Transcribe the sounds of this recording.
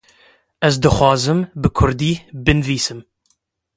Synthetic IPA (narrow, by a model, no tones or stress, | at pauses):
ɛzd̪ɨxwɑːzɨmbɨkʰʊɾd̪iːbɨnviːsɨm